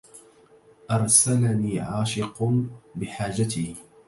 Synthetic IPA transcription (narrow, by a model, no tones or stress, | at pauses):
ʔɑɾˤsalaniːʕaːʃɪqbɪħaːd͡ʒat̪iː